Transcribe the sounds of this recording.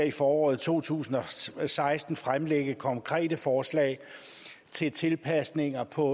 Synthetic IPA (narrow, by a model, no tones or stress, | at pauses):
ɐifɒːɒ̰ːð̩ˠt͡sʰo̝̰ːt͡sʰṵːsn̩ɒ̽sɑ̈ɪsd̥n̩fʁamleɡ̥əkʰɒ̽ŋkʰʁɛ̰ːd̥əfɒːslɛ̰ːɪ | t͡sʰe̝lt͡sʰe̝lpʰæsne̝ŋɐpʰɒ̽